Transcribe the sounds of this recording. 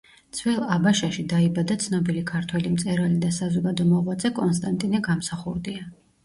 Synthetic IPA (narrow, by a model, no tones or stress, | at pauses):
t̪sʰvɛlˠabaʃaʃid̪aibad̪at̪sʰnɔbilikʰaɾt̪ʰwɛlimt̪sʼɛɾalid̪asazɔɡad̪ɔmɔʁwad̪zɛkʼɔns̬t̪ʼant̪ʼinɛɡamsaχuɾd̪ia